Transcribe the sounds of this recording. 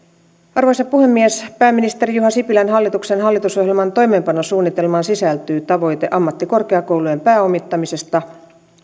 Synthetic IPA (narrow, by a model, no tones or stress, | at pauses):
ɑrʋojsɑpuhe̞mːiespæːmːinist̪e̞ɾijuɦɑsipilænɦɑlːit̪uksenɦɑlːit̪uso̞hjelmɑnt̪o̞jme̞ːmpɑnosuːnːit̪e̞lmɑnsisælt̪yːt̪ɑʋo̞jt̪eʔɑmːɑt̪ːiko̞rke̞ɑkowluje̞mpæːo̞mit̪ːɑmise̞st̪ɑ